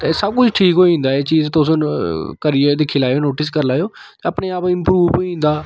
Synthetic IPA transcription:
t̪esəb̚kʊt͡ʃʰʈʰiːkɦoːiĩːnd̪aːeːt͡ʃiːzt̪ʊskəɾiːeːd̪ɪkʰːiːlaːejoːnoːʈɪskəɾlaːjoːt̪eəpneːaːpɪmpɾuːpoːiĩːnd̪aː

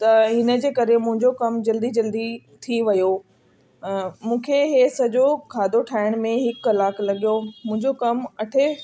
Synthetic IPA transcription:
t̪ɐɦɪnə̆d͡ʑeːkɐɾemʊ̃ɦɪ̃ɲd͡ʑokɐmd͡ʑɐld̪id͡ʑɐld̪i | t̪ʰiʋɐjo | mũːkʰeɦeːsɐd͡ʑokʰaːd̪ʱoʈʰaːɪɽ̃mẽɦɪkːɐlaːklɐɠijomʊ̃ɦɪ̃ɲd͡ʑokɐmɐʈʰe

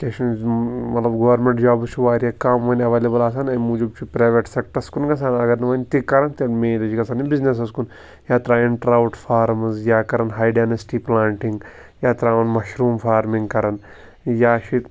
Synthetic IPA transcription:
keʃɐnmɐt̪lɐbɡɐʋɐɾmẽɳʈd͡ʒaːbt͡ʃʰuʋaːɾjɐkaːmʋɐnɐʋeːleːbɐlaːs̬aːnɐjmuːd͡ʒɐbt͡ʃʰipɾaːʋeʈsek̚ʈɐskunɡɐs̬aːnɐɡɐɾnɐʋɐnt̪ikːɐɾɐnt̪imeːlɐd͡ʒiɡɐsaːnibiznes̬ɐskun | jaːt̪ɾaːiɳʈɐɾɐwʈfʰaːɾmɐzjaːkɐɾɐnɦaːjɖaːnɐsʈiplaːɳʈiŋɡ | jaːt̪ɾaːʋɐnmɐʃɾuːmfaːɾmĩŋɡkɐɾɐn | jaːʃi

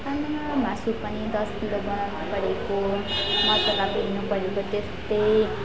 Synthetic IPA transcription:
kannamasupʌnid̪ʌskilobʌnawnupʌɾekomʌt̪ʌtabinupʌɾekot̪est̪ʌj

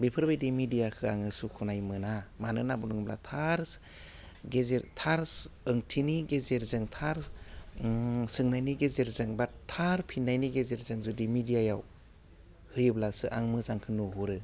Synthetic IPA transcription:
bepʰɯɾbajdimidijakʰɯaŋɯsukʰunajmɯnamanɯnabunuŋbla̰tʰaɾs | ɡezeɾtʰaɾsɯŋtʰiniɡezeɾzɯŋtʰaɾ | sɯŋnajniɡezeɾzɯŋbatʰaɾpʰinːajniɡezeɾzɯŋzudimidijajaw | hɯjɯblasɯʔa̰ŋmɯzaŋkʰɯnuɦuɾɯ

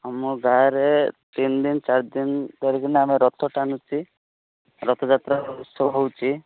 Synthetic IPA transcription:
amɔɡʱaɾet̪ind̪int͡ʃaɾd̪int̪ɔɾikɔɾneameɾɔt̪ʰɔʈanut͡ʃʰi | ɾɔt̪ʰɔd͡ʒat̪ɾausɔɦowt͡ʃʰi

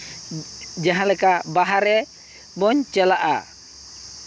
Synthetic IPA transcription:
d͡ʒaɦalɛkabaɦaɾɛ | bɔɲt͡ʃɛlaʔa̰

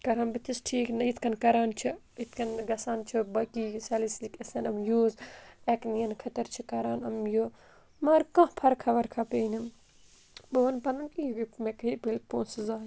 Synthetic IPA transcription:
kɐɾaːnbit̪ʰisʈʰiːknɐit̪kɐnkɐɾaːnt͡ʃʰɐ | it̪ʰkʰɐnɡɐsaːnt͡ʃʰɐbɐkiːsɐːlislikɐsɐnɐmjuːzeknijɐnkʰɐt̪ɐɾt͡ʃʰikɐɾaːnɐmjo | mɐːɾkɐ̃pʰɐɾkʰɐʋɐɾkʰɐpeːnɐm | bɐʋɐnpɐnɐnkijɡmekɐipɐlpõːnsɨzaː

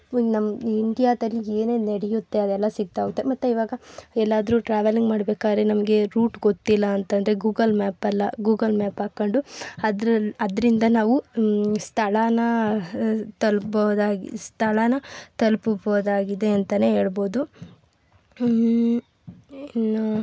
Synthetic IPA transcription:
nɐmiɳɖijaːd̪ɐlːieːneːneɽɛjut̪ːe̞ɐd̪ɛlːɐsiɡ̚t̪aːɡut̪ːemɐt̪ːuiʋaːɡɐɛlːaːd̪ɾuʈɾaːʋeliŋɡmaːɽbeːkaːd̪ɾenɐmɐɡe̞ɾuːʈɡot̪ːilːɐːnt̪ɐnd̪ɐɾe̞ɡuːɡɐlmaːpɐlːɐɡuːɡɐlmaːpaːkːɐɳɖuɐd̪ɾɐɐd̪ɐɾind̪ɐnaːʋust̪ʰɐɭɐnɐ | t̪ɐlbɐd̪aːɡst̪ʰɐlɐnɐt̪ɐlpboːd̪aːɡid̪e̞ɐnt̪ɐne̞ːɦe̞ːɭbo̞ːd̪u

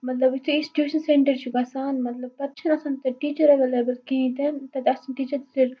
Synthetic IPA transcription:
mɐt̪lɐbist̪ʰuĩsʈi̥ʈjuːʃɐnseɳʈɐɾt͡ʃʰukɐsaːnmɐt̪lɐb̚pɐt̪ːt͡ʃʰɐnɐsaːnt̪ɐʈiːt͡ʃɐɾeʋeːleːbɐlkĩt̪ent̪ɐt̪ɐsanʈiːt͡ʃɐɾt̪ɐsiɾ

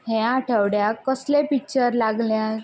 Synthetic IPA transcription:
ɦẽaʈʰəʋɽjakːəslẽpik̚t͡ɕəɾlaɡlja

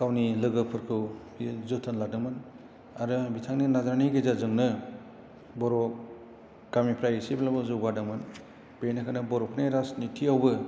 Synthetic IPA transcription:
kawnilɯɡɯpʰɯɾkʰɯw | izutʰɯnladɯŋmɯn | aɾɯbitʰaŋninazɾaniɡezazɯŋnɯ | bɔɾɔ | ɡ̥amipʰɾajisiblabɯzuɡadɯŋmɯn | b̥enakʰanɯbɔɾɔpʰneɾasnitʰiawbɯ

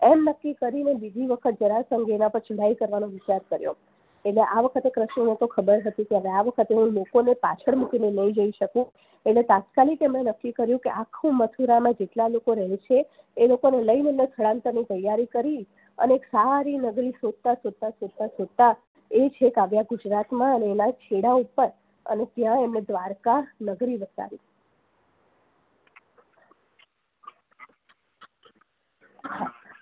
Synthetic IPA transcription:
emnəkːikəɾinebid̪ʱiʋəkʰət̪̚d͡ʒəɾasəŋɡenapəɾt͡ʃʰuɽaikəɾʋanõʋɪt͡ʃaɾkəɾjo̰ | eʈleʔaʋəkʰət̪ekɾəʃnonet̪okʰəbəɾɦət̪ũkeɦəʋeaʋəkʰət̪eɦũlokonepa̰t͡ʃʰəɭmukinenəĩd͡ʒəiʃəkũ | eʈlet̪at̪kalikemenəkːikəɾjũkeʔakʰːũmət̪ʰuɾamãd͡ʒeʈlalokoɾɛɦet͡ʃʰeː | lokoneləinənek̪ʰəɽãnt̪əɾnit̪əjaɾikəɾi | ə̰neːksaɾinəɡɾisod̪̚t̪asod̪̚t̪asod̪̚t̪asod̪̚t̪a | et͡ʃʰekaʋjaɡud͡ʒɾat̪mãəneːnat͡ʃʰeɽaupəɾ | ə̰net̪jãemned̪ʋaɾkanəɡɾibət̪a̰ɾi | ɦa

